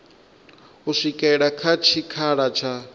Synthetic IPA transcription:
uʂʷikʼɛɺakʰat͡ʃʰikʰaɺat͡ʃʰa

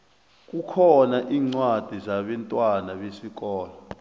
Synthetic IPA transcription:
k̬ukʰɔnaʔiːŋ͡ǀwad̥ʱizaɓɛntʼwanaɓesik̬ɔːlɔ

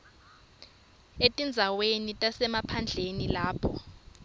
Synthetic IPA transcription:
etʼind͡zʱawenitʼasɛmapʰand͡ɮʱenilaːpʰɔ

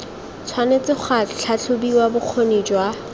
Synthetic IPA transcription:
t͡sʰwanet͡sɪχʰwat͡ɬʰat͡ɬʰʊbiwabʊq͡χʰonid͡ʒwa

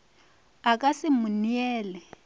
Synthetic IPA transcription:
akʼasɪmʊniɛːlɛ

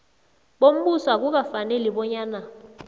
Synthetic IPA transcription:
ɓom̩ɓuswak̬uk̬afanɛliɓɔɲaːna

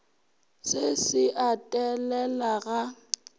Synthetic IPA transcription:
sesɪʔatʼɛlɛlaɣa

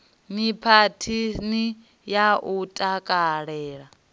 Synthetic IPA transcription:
mipʰatʰini | jaʔutʼakʼaɺɛːɺa

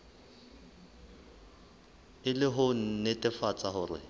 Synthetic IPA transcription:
ɪlɪɦʊn̩netʼɪfat͡sʼaɦʊrɪ̰

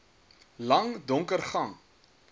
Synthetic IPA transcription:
lɐŋdɔŋkərχɐŋ

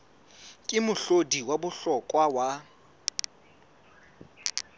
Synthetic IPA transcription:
kʼɪmʊɬodiwabʊɬɔkʼwawa

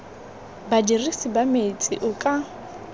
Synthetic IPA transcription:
badirisibamet͡sʼɪ̰ʔʊkʼa

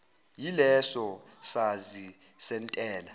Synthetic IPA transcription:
jilɛsɔ | sazi | sɛntʼɛːla

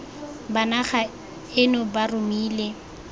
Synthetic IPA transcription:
banaχa | ɪnɔbarʊmiːle

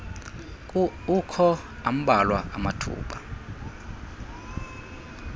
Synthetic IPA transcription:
ukʰɔ | am̩ɓalwa̰ʔamatʰṵːɓa

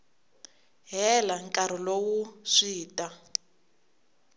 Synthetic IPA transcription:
ɦɛlaŋkʼaɾ̤ɔlowuʂiːtʼa

